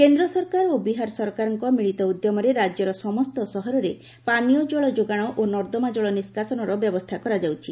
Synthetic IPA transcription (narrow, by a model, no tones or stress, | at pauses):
kend̪ɾɔsɔɾkaɾobiɦaɾsɔɾkaɾɔŋkɔmiɭit̪ɔud̪jɔmɔɾeɾad͡ʒɔɾɔsɔmɔst̪ɔsɔɦɔɾɔɾe | paniɔd͡ʒɔɭɔd͡ʒoɡaɽ̃ɔʔonɔɾd̪ɔmad͡ʒɔɭɔniskasɔnɔɾɔbjɔbɔst̪ʰakɔɾad͡ʒawt͡ʃʰi